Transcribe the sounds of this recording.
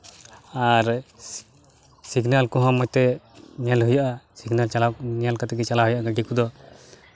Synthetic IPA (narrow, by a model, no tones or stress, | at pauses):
aɾ | siɡnalkɔɦãmɔjt̪ɛɲalɦujaʔasiɡnalt͡ʃalanijalkat̪ɛɡɛt͡ʃalaɦujaʔaɡaɖikud̪ɔ